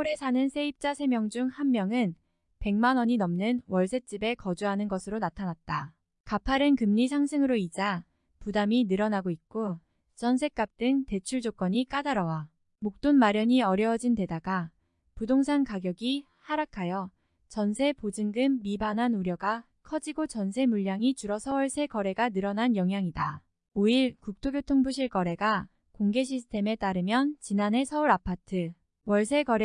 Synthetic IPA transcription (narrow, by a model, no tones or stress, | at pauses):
oɾe̞sʰanɯnsʰe̞ip̚t͡ɕ͈asʰe̞mjʌŋd͡ʑuŋhanmjʌŋɯn | pe̞ŋmanwʌɲinʌmnɯnwʌɭsʰe̞t͡ɕ͈ibe̞kʌd͡ʑuɦanɯnɡʌsʰɯɾonatʰanat̚t͈a | kapʰaɾɯnkɯmɲisʰaŋsʰɯŋɯɾoid͡ʑa | pudaminɯɾʌnaɡoit̚k͈o | t͡ɕʌns̬ʰe̞k͈ap̚t͈ɯŋte̞t͡ɕʰuɭd͡ʑok͈ʌɲik͈adaɾʌwa | mok̚t͈onmaɾjʌɲiʌɾjʌd͡ʑinte̞daɡa | pudoŋsʰaŋkaɡjʌɡi | haɾakʰajʌ | t͡ɕʌnsʰe̞pod͡ʑɯŋɡɯmːibananuɾjʌɡa | kʰʌd͡ʑiɡot͡ɕʌnsʰe̞muʎːaŋit͡ɕuɾʌsʰʌwʌɭsʰe̞kʌɾe̞ɡanɯɾʌnanjʌŋɦjaŋida | oiɭkuk̚tʰoɡjotʰoŋbuɕ̬ʰiɭkʌɾe̞ɡa | koŋɡe̞ɕ̬ʰisʰɯ̥tʰe̞me̞t͈aɾɯmjʌnt͡ɕinane̞sʰʌuɾapʰatʰɯ | wʌɭsʰe̞ɡʌɾ